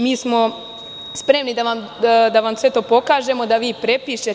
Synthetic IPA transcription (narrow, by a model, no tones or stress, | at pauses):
miːsmo̞ | spɾe̞mnid̪aʋam | d̪aʋamsʋe̞t̪o̞ːpo̞kaːʒe̞mo̞d̪aʋiːpɾe̞piːʃe